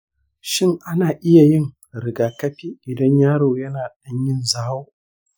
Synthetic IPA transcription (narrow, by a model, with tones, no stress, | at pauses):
ʃɪ˦˨ŋʔa˦naː˨ʔɪ˦ja˨jɪ˦ŋ | ɾɪ˨ɡaː˨kɐ˦ɸiː˦ʔɪ˨dɐ˦ɲjaː˦ɽoː˨jɐ˦naː˨ɗɐ˦ɲjɪ˦nzaː˦woː˦